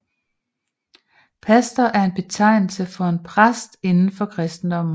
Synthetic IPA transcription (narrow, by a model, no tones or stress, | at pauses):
pʰæsd̥ɐʔæɐe̝nb̥e̝t͡sʰɑ̈ɪ̰nl̩səfɒ̽e̝npʰʁasd̥e̝nn̩fɒ̽kʰʁɛsd̥n̩d̥ɒ̽m̰n̩